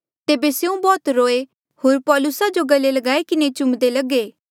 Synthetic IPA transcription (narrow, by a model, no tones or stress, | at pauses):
t̪eːbeseũbɔːt̪ɾoːe | hoːɾpɔːlʊsad͡ʒoɡɐlːelɐɡaːekɪnet͡ʃʊ̃md̪elɐɡeː